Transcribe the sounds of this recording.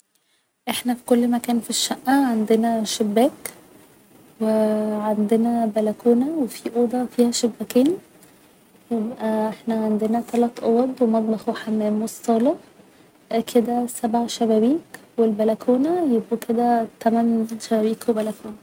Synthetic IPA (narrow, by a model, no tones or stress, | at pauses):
ʔeħnæfi̥kolːmækæːnfiʃːæʔːæʕand̪enæʃebːæːk | weʕand̪enæbælækuːnæwefiʔoːd̪ɑfiːhæʃebːækiːn | jebʔæʔeħnæʕand̪enæt̪ælæt̪ˤʔowæd̪wemɑd̪ˤlɑxweħamæːmwesˤːɑːlɑ | kʰed̪æsæbʕʃæbæwiːkwelbælækʰuːnæjebʔækʰed̪æt̪æmænʃæbæwiːkwebælækuːnæ